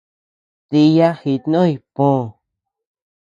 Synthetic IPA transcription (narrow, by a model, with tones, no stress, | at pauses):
t̪i˧ja˦hi˧˨t̪nõ˦i˧põ˦˨